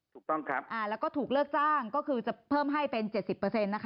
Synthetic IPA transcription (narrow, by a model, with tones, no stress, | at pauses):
tʰuː˨˩k̚t̪ɔ˥˩ŋkʰa˦˥p̚ʔaː˧˩lɛː˦˥wkɔː˥˩t̪ʰuː˨˩k̚lɯ˥˩ək̚t͡ɕaː˥˩ŋkɔː˥˩kʰɯː˧t͡ɕa˨˩pʰɤː˥˩mɦa˥˩jpe˧nt͡ɕe˨˩t̪̚si˨˩pːɤː˧se˧nːa˦˥kʰ